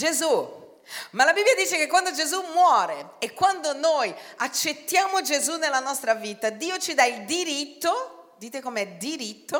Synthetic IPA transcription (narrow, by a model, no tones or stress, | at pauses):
d͡ʒezu | malabibːjad̪iːt͡ʃekekːwand̪od͡ʒezumwɔːɾeekːwand̪onojat͡ʃːet̪ːjaːmod͡ʒezunːelːanɔst̪ɾaviːt̪ad̪iːot͡ʃid̪aild̪iɾit̪ːo | d̪iːt̪ekomeɛd̪iɾit̪ːo